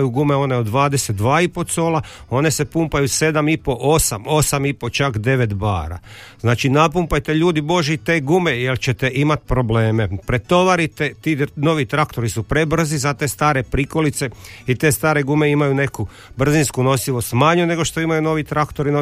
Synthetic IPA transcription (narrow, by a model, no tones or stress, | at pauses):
juɡume̞o̞ne̞od̪ʋaːd̪eset̪̚d̪ʋaːipo̞t̪so̞ːla | o̞ne̞se̞pumpajuse̞d̪amipo̞ʔosamo̞samipo̞t͡ʃakd̪e̞ʋe̞t̪ba̰ːɾa̰znaːt͡ʃinapumpajt̪e̞ʎuːd̪ibo̞ʒit̪e̞ːɡumejelt͡ɕet̪e̞ʔimat̪pɾo̞ble̞ːmepɾet̪o̞ʋaɾit̪et̪ino̞ʋit̪ɾakt̪o̞ɾisupɾe̞br̩zizat̪e̞ːst̪aːɾe̞pɾiko̞lit̪se̞it̪e̞ːst̪aːɾe̞ɡume̞imajune̞ku | br̩zinskuno̞siʋo̞st̪maɲune̞ɡo̞ʃt̪o̞imajuno̞ʋit̪ɾakt̪o̞ɾino